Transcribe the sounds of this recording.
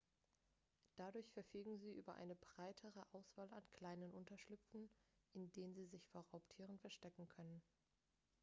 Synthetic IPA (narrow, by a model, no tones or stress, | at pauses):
d̥adʊɐçfɛɐfyːɡŋ̩ziːʔyːbɐʔa̰ɪnəbʁaɪtʰəʁ̞əʔaʊsv̥aːlankʰl̥aɪnənʔʊntɐʃlʏpp͡fn̩ʔɪndeːnənziːzɪçfoːɐʁaʊptʰiːʁ̞ənfɛɐʃtɛkŋ̩kʰœnən